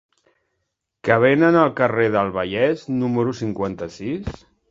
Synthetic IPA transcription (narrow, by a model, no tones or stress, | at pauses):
kəβ̞enənəlˠkəreðəlˠβəʎɛznuməɾusiŋkwant̪əsis